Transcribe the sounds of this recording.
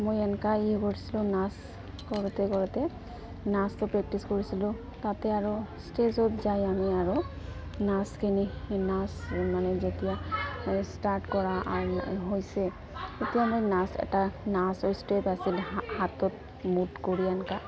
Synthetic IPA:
mojɛnkaikoɹisilʊ̃nas | kɔɹɔt̪ɛkɔɹɔt̪ɛ | nastɔpɹɛk̚tiskoɹisilʊ̃ | t̪at̪ɛaɹostezɔtzajamiaɹunaskʰininasmanɛzet̪ija | staɾʈkɔɹaʔa̰ɦojsɛ | et̪ijamojnasɛ̰tanasojstepasilhat̪ɔt̪̚ | mutkoɹianka

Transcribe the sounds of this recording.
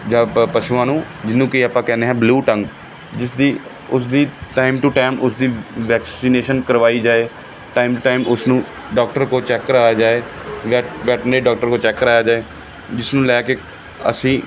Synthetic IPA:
d͡ʒaːpəʃuãːnũː | d͡ʒɪnːũːkiːaːpãːkɛːneːɦɛ̃ːbluːʈə̃ŋɡ | d͡ʒɪsd̪iː | ʊsd̪iːʈaːɪmʈuʈaːɪmʔʊsd̪iːʋɛːksiːneːʃənkəɾʋaːiːd͡ʒaːeː | ʈaːɪmʈʊʈaːɪmʊsnũː | ɖaːk̚ʈəɾkoːt͡ʃɛːkːəɾaːjaːd͡ʒaːeːʋɛʋɛːʈneːɖɔːk̚ʈəɾkoːt͡ʃɛːkːəɾaːjaːd͡ʒaːeː | d͡ʒɪsnũːlɛːkeː | ə̰sĩː

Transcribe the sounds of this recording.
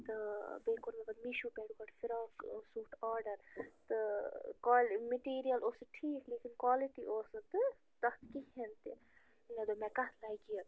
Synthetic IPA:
t̪ɨbeːkoɾmebɐd̪miʃupɛːɖukɐʈfiɾaːksuːʈaːɾɖɐɾt̪ɨkalmiʈiːɾijɐloːsɨʈʰiːkleːkinkwaːliʈiʔoːsɨt̪ɨ | t̪ɐt̪kiɦɦent̪ḭ | nɐd̪omɛkɐt̪ʰlajkijɐ

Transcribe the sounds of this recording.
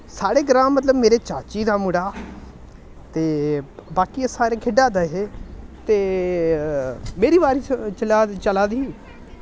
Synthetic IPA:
saːɽeːɡəɾãːmːət̪ləbmeːɾeːt͡ʃaːt͡ʃiːd̪aːmʊɽaː | t̪eːbaːkiesaːɾeːkʰɪɖaːd̪əɦet̪eː | meːɾiːbaːɾit͡ʃəlat͡ʃəlaːd̪iː

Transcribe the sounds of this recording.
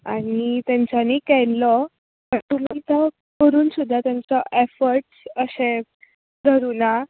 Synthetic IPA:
añit̪jãɲt͡ɕanikɛlɔ | pət̪unənt̪ə | kəɾuːnsud̪ʱːat̪jaɲt͡sɔʔefəɾʈsəsẽ | d̪ʱəɾuna

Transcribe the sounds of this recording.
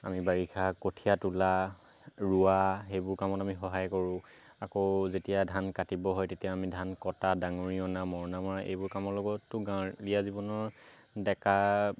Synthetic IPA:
a̰mibaɡikʰakotʰijatula | ɹuaxejbʊɹkamɔtamixɔɦajkɔɹʊ̃ | akozetijadʱankatibɔɦɔjtetijaːmidʱankɔtadaŋoɹiɔnamɔɹɔnamɔɹaʔḛjbʊɹkamɔlɔɡɔtːʊɡãlijazibɔnɔɹ | dɛka

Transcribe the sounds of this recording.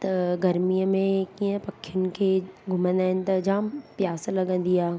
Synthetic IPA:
t̪ɐɡɐɾmijəmẽkiːə̃pɐkʰːjʊnɪ̆kʰeːɡʱʊmə̃nd̪aːɦɪnɪ̆t̪ɐd͡ʑaːmpjaːslɐɠə̃nd̪iaː

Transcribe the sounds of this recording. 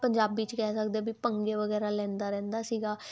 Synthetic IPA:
pəɲd͡ʒaːbiːt͡ʃkɛːsəkd̪eaːbipəŋɡeːʋəɡɛːɾaːlɛ̃ːnd̪aːɾɛ̃ːnd̪aːsiːɡaː

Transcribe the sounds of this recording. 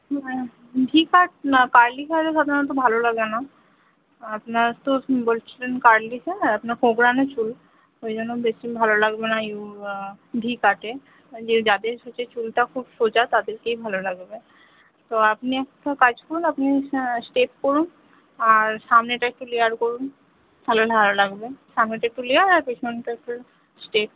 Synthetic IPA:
ɖʱikaʈ̚kaːɾlikʰaɾesad̪ʱaɾãt̪̬obʱalolɐɡena | ɐpnast̪obolt͡ʃlenkaːɾliseɐpnakʰoɡɾanet͡ʃul | oed͡ʒɔnobesibʱalolɐɡbenaju | ɖʱikaʈe | d͡ʒed͡ʒad̪esot͡ʃet͡ʃulʈ̪akʰubsot͡ʃat̪ad̪eɾkeibʱalolaɡbe | t̪oapniɛktakad͡ʒkoɾunapnisʈep̚koɾun | aɾsamneʈaek̚ʈ̪ulejaɾkoɾun | t̪ʰaloɖʱalolaɡbesamneʈaek̚t̪uliaɾaɾpet͡ʃʰmenʈakʈe | sʈep̚

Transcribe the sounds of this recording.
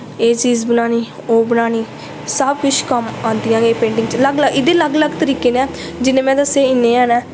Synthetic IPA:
eːt͡ʃiːzbənaːniː | oːbənaːniː | səb̚kʊt͡ʃʰkəmãːnd̪ijãːɡeːpẽːɳɖɪ̃ŋɡt͡ʃləɡləɡɪd̪eːləɡləɡt̪əɾiːkeːnɛːd͡ʒɪnẽːmɛ̃ːd̪əseːɪnːẽːaːnɛ̃ː

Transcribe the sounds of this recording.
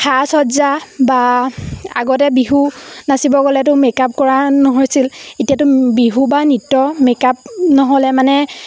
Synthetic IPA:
xʰasɔzaba | a̰ɡɔtɛbiɦunasibɔɡɔlɛt̬ʊmekap̚kɔɹanɔɦojsiletijatʊbiɦubanitːɔmekap̚nɔɦɔlɛmanɛ

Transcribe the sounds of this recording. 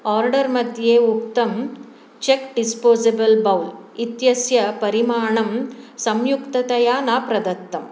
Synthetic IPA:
aːɾɖɐɾmɐd̪ʱjeːukt̪ɐm | t͡ʃekɖispoːsebɐlbɐwlit̪jɐsjɐpɐɾimaːɳɐmsɐmjukt̪ɐt̪ɐjaːnaːpɾɐd̪ɐt̪ːɐm

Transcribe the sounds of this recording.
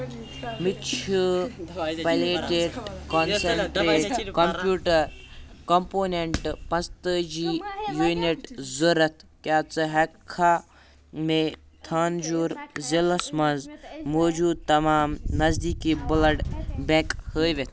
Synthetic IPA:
mit͡ʃʰu | pɐleːʈeɖkonsɐɳʈɾeːʈkɐmpjuːʈɐɾ | kɐmpoːneɳʈpɐ̃nst̪əd͡ʒiːjuniʈzɐɾɐt̪ʰkjaːt͡sɨɦɐkʰːa | me | t̪ʰaːnd͡ʒuːɾzilɐsmɐnzmoːd͡ʒuːd̪̚t̪ɐmaːmnɐzd̪iːkibɨlɐɖbẽkhəːjʋet̪̚ʰ

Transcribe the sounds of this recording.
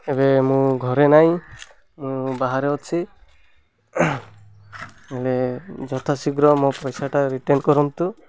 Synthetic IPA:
ebemũɡʱɔɾenaĩ | mũbaɦaɾeɔt͡ʃʰi | eled͡ʒɔt̪ʰasiɡɾɔmɔpɔjsaʈaɾiʈenkɔɾɔnt̪u

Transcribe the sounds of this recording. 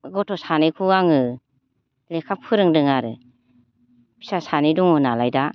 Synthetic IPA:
ɡɔtʰɔsanikʰuɡaŋɯ | lekʰapʰɯɾɯŋdɯŋaɾɯ̰ | pʰi̥sasaniduŋɯnalajda

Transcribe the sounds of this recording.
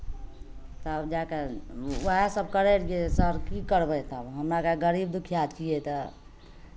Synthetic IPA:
t̪əbd͡ʒakewəɦesəbʱkəɾɛɾɡesəɾkikəɾbɛt̪əbɦəmɾakeɡəɾib̚d̪ukʰijat͡ʃʰijɛt̪ɔ

